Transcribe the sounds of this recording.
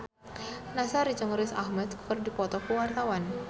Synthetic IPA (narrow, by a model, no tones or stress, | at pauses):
nasaɾid͡ʒɔŋɾɪsahmɛt̪̚kkərdipɔt̪ɔkəwart̪awan